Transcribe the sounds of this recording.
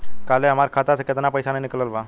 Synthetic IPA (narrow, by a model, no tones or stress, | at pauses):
kaleɦəmaɾkʰat̪asəkjət̪napəjsanenikləlba